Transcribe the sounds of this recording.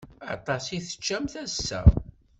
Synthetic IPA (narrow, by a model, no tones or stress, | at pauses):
ɑt̪ˤɑsiθə̥t͡ʃːæmθæsːæ̰